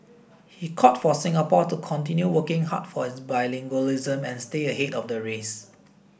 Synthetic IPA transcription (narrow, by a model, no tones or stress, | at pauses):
hikʰɔtfɔsɪ̃ŋapɔtukʰɔ̃ntĩnjuwəkɪ̃ŋɦa̰tfɔhɪsbajlɪ̃ŋɡolizə̃mɛ̃nsteəɦetɔfdəɹes